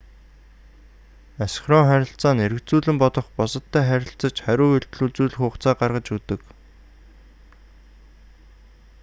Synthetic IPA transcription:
asχrɔŋχæɾʲɪ̆ɬt͡saːneɾɘ̆kt͡suːɮɘ̆mpɔt̪ɞ̆χpɔsɞ̆t̪ʰːæːχæɾʲɪ̆ɬt͡sə̆t͡ɕχæɾʲʊːeɮt̪ɮuːt͡suːɮɘ̆xʊːχt͡saːɢarʁə̆t͡ɕut̪ɘ̆k

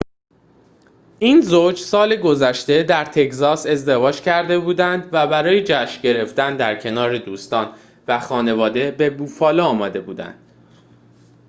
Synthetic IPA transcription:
ʔiːnzod͡ʒsɒːleɡo̞zæʃt̪e̞d̪æɾt̪ʰe̞czɒːse̞zd̪e̞vɒːd͡ʒcʰæɾd̪e̞buːd̪ænd̪væbæɾɒːjed͡ʒæʃɟe̞ɾe̞ft̪ænd̪æɾcʰe̞nɒːɾed̪uːst̪ɒːn | væxɒːne̞vɒːd̪e̞be̞buːfɒːlɒɒːmɒːd̪e̞buːd̪æ̰nd̪̥

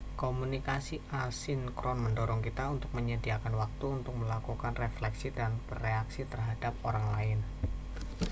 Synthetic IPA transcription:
komunikasiʔasɪnkɾɔnməndɔɾɔŋkit̪aunt̪ʊk̚məɲədiakanwak̚t̪uunt̪ʊk̚məlakukanreflɛksidanb̥əreaksit̪ərɦad̥ap̚oɾaŋlaɪn

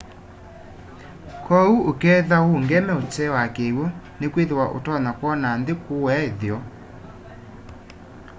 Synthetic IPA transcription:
kʰɔuokɛːðaoŋɡɛmɛot͡ʃɛwakewɔ | nekweðewaʔo̰tɔnakwɔnandekowɛðjɔ

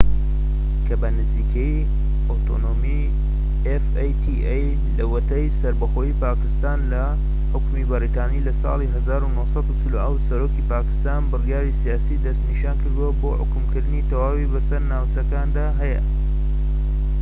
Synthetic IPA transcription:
kʰɐbɐnɨziːkʰej | ot̪ʰo̰noːmi | efejt̪ʰiʔej | lɐwɐt̪ɐjsɐɾbɐxoipaːkɨst̪aːnlɐ | ħʊkmibɐrit̪aːniːlɐsɑ̰ːlˠiɦɐzaːɾunosɑd̪ut͡sɨloʔɐwsɐɾoːkipaːkɨ̥st̪aːnbɨrijaːɾisijaːsiːd̪ɐst̪niʃaːnkɨɾd̪uwɐboːħʊ̰kʊmkɨɾd̪ɨnit̪ɐwaːwibɐsɐɾnaːwt͡sɐkaːnd̪aːɦɐjə̰

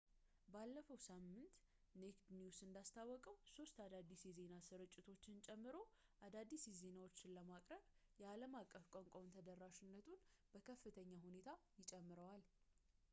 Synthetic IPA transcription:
balːəfəwsamːɨnt̪ | nekd̪njusɨnd̪ast̪ʰawːɔkʼəwso̞st̪ad̪ad̪ːisjɛze̞nasɨɾɨt͡ʃʼːɪt̪ʰo̞t͡ʃːɪnt͡ʃʼɛmːɨɾo̞ʔad̪ad̪isjɛze̞nawo̞t͡ʃːɪnləmakʼɾəβjɛaləmakʼːəfkʼoŋkʷʼont̪ʰəd̪ərːaʃɪnːət̪ʰunb̥əkʰəfːɨt̪ʰəɲːahune̞t̪ʰajɪt͡ʃʼɛmːɨɾəwal

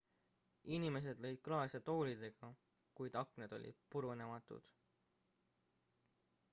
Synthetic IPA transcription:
inime̞s̬e̞d̪lɤ̞jd̪̥̚klɑːsʲɑt̪o̞ːlʲid̪̥e̞ɡ̥ɑ | kujd̪̥ɑkned̪̥o̞̰lʲḭd̪̥̚puɾune̞mɑt̪ːˑṵd̪̥

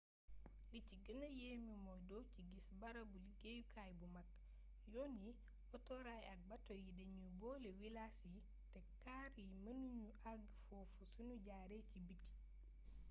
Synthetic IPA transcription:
lit͡ʃiɡənajeːmimɔjdɔwt͡ʃiɡisbaɾabuliɡejukʰajbumakː | joni | ɔtɔɾajaɡ̚batɔjideɲubɔːlɛwilasi | tɛkːaɾjimənuɲuʔaɡfɔfusunuɟaɾet͡ʃibitːi̥

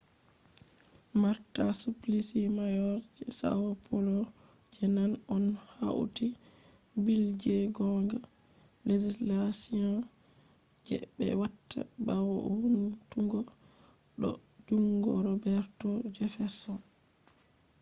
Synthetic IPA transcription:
maɾtasuplisimajɔɾd͡ʒɛsa̰wapʰɔlɔ | d͡ʒɛnalɔnha̰w̰ti | bild͡ʒɛɡɔŋɡa | led͡ʒislasiɔ̃ | d͡ʒɛ̰bɛ̰watʰːa̰bawɔhuntuɡɔ | ɗɔ̰d͡ʒuŋɡɔ̰ɾɔbɛɾtɔd͡ʒɛfɛɾsɔn

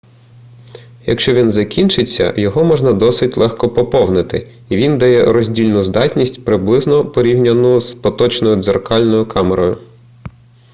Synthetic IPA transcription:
jɐ̰kʃt͡ʃɔʋʲinzɐkʲint͡ʃɪt͡sʲːɐ̰jɔɦɔmɔʒnɐd̪ɔsɪtʲlˠɛxkɔpɔpɔwnɪt̪ɪ | iʋʲind̪ɐjɛɾɔzʲdʲilʲnʊzd̪ɑtʲnʲisʲtʲpɾɪblˠɪznɔpɔɾʲiwnʲɐnʊspɔt̪ɔt͡ʃnɔjʊd̪zerkɑlʲnɔjʊkʰɑmeɾɔjʊ

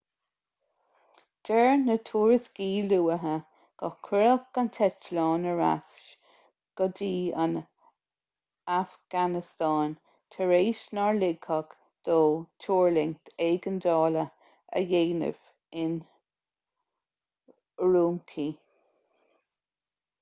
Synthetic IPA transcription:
d̥ɛɹnət̪ʰuːɹəsɡ̥iːluːəɦə | ɡ̥ɔkʰɛɾəxɡ̥ant̪ʰɛtlɑːnəɹa̰sʃ | ɡ̥ɔd̪iːa̰n | afɡ̥anɪst̪ɑːn | t̪ʰəɹeːʃnaɹlɪɡʰaɡ | d̪̥oːtʰuːɹlɪŋt̪ʰeːɡənd̪ɑːlə | ə̰jeːnə̰v̥ | ɪn | ɹuːmkʰiː

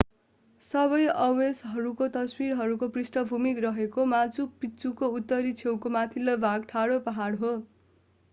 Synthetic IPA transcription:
sʌβʌjʌwesɦʌɾukot̪ʌswiɾɦʌɾukoprisʈʌbʱumikrʌɦekomat͡supit͡sukout̪ːʌɾit͡sʰewkomat̪ʰilʌbʱaɡ̚ʈʰaɽopʌɦaɽɦo

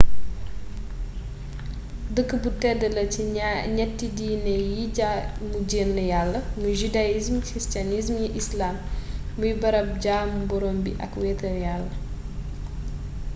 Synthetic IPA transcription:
dəkːəbutɛdəlɐciɲɛtːidiːnɛjimuɟenlɐjalːɐmuʒudajizmkɾistianizmjiʔislamː | ujbɐɾɐp̚ɟaːmubɔɾoːmbiʔɐ̰kwetɐjalːə

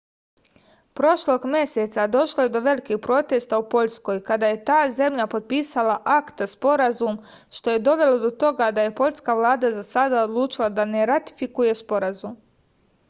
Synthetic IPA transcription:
pɾo̞ʃlo̞ɡmje̞set̪sad̪o̞ʃlo̞je̞d̪o̞ʋe̞likixpɾo̞t̪e̞st̪aupo̞ʎsko̞jkad̪aje̞t̪aːze̞mʎapo̞t̪̚piːsalaʔakt̪spo̞ɾazum | ʃt̪o̞je̞d̪o̞ʋe̞lo̞d̪o̞t̪o̞ɡad̪aje̞po̞ʎʲskaʋlˠaːd̪azasad̪aod̪lˠuːt͡ʃilˠad̪ane̞ɾat̪i̥fikuje̞spo̞ɾazum

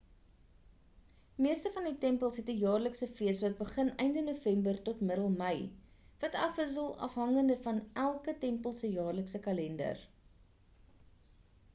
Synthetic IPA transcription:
miəstəfɐnditɛmpəlˠsɦɛtəjɑːrləksəfiəsvɐt̚bəχənɛjndənufɛmbərtɔtmədəlˠməj | vɐtɐfəs̬əlˠɐ̰fɦɐŋəndəfɐnʔælˠkətɛmpəlˠsəjɑːrləksəkɐlɛndə̰r

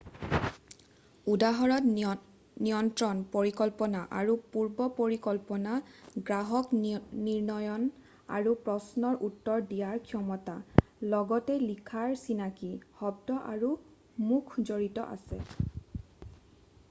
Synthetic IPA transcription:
udaɦɔɹɔt | nijɔntɹɔnpoɹikɔlpɔnaʔaɹupuɹbɔpoɹikɔlpɔnaɡɹaɦɔkniɹnɔjɔn | a̰ɹupɹɔsnɔɹʔutːɔɹdijaɹkʰiɔmɔtalɔɡɔtɛlikʰaɹsinakihɔb̚dɔʔa̰ɹu | mukʰzoɹitɔ̰ʔa̰sɛ̰

